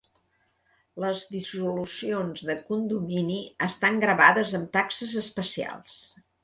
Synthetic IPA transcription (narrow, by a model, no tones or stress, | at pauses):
ləzðisulusionzðəkund̪uminiəst̪aŋɡɾəβaðəzəmt̪aksəzəspəsia̰lˠs